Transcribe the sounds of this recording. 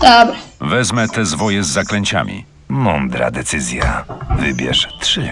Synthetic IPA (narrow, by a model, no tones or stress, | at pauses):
d̪̥ɔbɾɛvɛzmɛt̪ɛzvɔjɛzːaklɛɲt͡ɕa̰mʲḭ | mɔnd̪ɾa̰d̪ɛt̪sɘzʲjavɘbʲjɛ̰ʂt̪ʂɘ